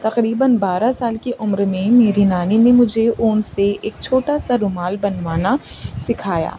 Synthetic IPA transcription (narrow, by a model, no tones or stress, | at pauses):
t̪ɐqɾiːbənbaːɾasaːlkeʔʊmɾmẽmeːɾinaːninemʊd͡ʒʱeʔʊːnseeːk̚t͡ʃʰoːʈasaɾʊmaːlbɐnʋaːnasɪkʰaːja̰ː